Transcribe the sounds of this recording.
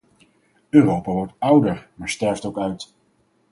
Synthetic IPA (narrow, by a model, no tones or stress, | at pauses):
øːrowpaːʋɔɹtʌwdəɹmaːɹstɛɹftowkœɥt